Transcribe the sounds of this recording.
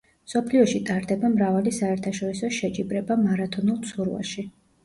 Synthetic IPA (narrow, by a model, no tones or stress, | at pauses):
msɔpʰliɔʃit̪ʼaɾd̪ɛbamɾavalisaɛɾt̪ʰaʃɔɾisɔʃɛt͡ʃʼibɾɛbamaɾat̪ʰɔnulˠt̪sʰuɾva̰ʃi